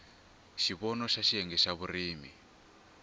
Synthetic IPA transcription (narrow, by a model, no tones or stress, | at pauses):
ʃiβɔnɔʃaʃiɦɛŋɡɛʃaβuriːmi